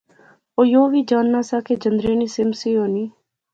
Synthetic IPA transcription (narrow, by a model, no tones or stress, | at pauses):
oːjoːʋiːd͡ʒaːnːaːsaːkeːd͡ʒənd̪ɾeːniːsɪmsiːɦoːniː